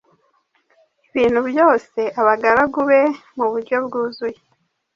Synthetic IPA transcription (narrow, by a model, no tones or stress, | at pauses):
iβiːn̥hubjo̞ːse̞ʔaβaɡaɾaɡuβe̞muβuɾɟo̞bɡuːzuje